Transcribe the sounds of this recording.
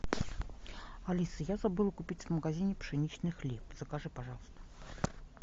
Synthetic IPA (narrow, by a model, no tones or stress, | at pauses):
alʲisɨjazabɨlˠəkʊpʲit͡sʲvməɡazʲinʲɪpʂɨnʲit͡ɕnɨxlʲepz̥əkaʐɨpaʐɑlˠəst̪ə̥